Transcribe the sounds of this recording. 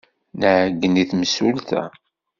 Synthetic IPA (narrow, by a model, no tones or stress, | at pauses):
nəʕəɡːəniθməsult̪æ̰